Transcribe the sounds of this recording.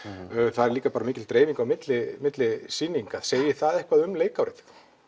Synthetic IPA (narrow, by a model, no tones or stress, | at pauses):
θaðɛɾliːkapaːɾamiːcɪlt̪ɾeːjviŋkawmɪt̪lɪmɪt̪lɪsinːiŋkaðseːjɪθaðɛhkvaðʏmleːjkawɾɪθ